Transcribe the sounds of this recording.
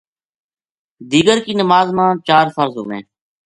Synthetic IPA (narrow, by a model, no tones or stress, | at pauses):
d̪iːɡəɾkiːnəmaːzmãːt͡ʃaːɾfəɾzɦo̰ːmḛ̃ː